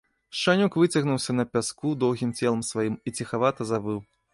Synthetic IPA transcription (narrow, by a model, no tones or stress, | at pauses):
ʂanʲukvɨt͡sʲɐɣnuwsʲɐnɐpʲaskud̪ɔwɣʲimt͡sʲɛlˠɐmsvajimit͡sʲixavat̪ɐzabɨw